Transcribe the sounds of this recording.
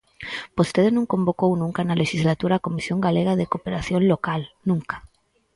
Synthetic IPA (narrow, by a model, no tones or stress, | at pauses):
post̪eðenõŋkombokownũŋkanaleʃizlat̪uɾaːkomisjoŋɡaleɣaðekopeɾaθjõnlokalnũŋkḁ